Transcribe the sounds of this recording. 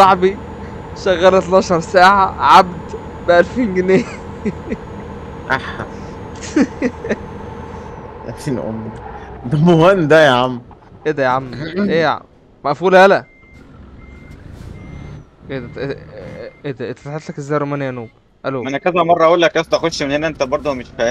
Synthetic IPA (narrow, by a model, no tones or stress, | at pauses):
sˤɑʕbi | ʃæɣːæːlæt̪lɑːʃɑɾˤsæːʕaʕabd̪ | bæʔælfiːnɡeneː | ʔaħ | ʔæ̰tiːnʔo̰mːd̪æbowænd̪æjaʕamʔed̪æjʕamːʔeːjʕa̰m | mæʔfuːlælæ | ked̪æ | ed̪æʔet̪ːæ̥t̪ˤħet̪lækʔezæjɾˤomæːnjænuːb | ʔæloːʔænækæzæmɑrˤːɑʔæʔuːlːækʔæst̪ʔæxod̪ʃmenhenæʔent̪æbɑɾˤd̪ˤomeʃfæ